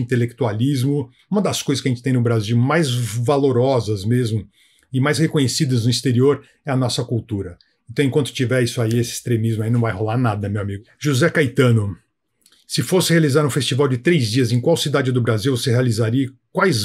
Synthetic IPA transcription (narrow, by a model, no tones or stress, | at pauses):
ĩnt̪elek̚t̪ualizmʊ | ũmɐd̪ɐskojzɐskaʒẽt͡ʃɪt̪ẽj̃nʊbɾaziwmajzvaloɾɔzɐzmezmʊ | ɪmajshekõɲesid̪ɐznʊist̪eɾioɾ | ɛɐnɔsɐkuwt̪uɾɐ | ẽt̪ɐ̃w̃ẽkwɐ̃nt̪ʊ̥t͡ʃivɛisʊaiesɪi̥st̪ɾemizmʊainɐ̃w̃vajɦolaɾnad̪ɐmewamiɡʊʒuzɛkajt̪ɐ̃nʊ | sɪfosɪhealizaɾũfest͡ʃivawd͡ʒɪt̪ɾejzd͡ʒiɐzẽj̃kwawsid̪ad͡ʒɪd̪ʊbɾaziwvosehealizaɾiɐkwajz